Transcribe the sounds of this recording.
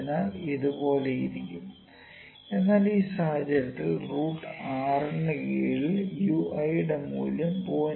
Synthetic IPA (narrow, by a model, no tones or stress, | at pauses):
naːliðubo̞ːle̞jiɾikʲːum | e̞nːaːliːsahɐd͡ʑɐɾɐt̪ːilruːʈːɨaːrɐɳːɐkeːljuːɐjɽemṵːlɐmpoː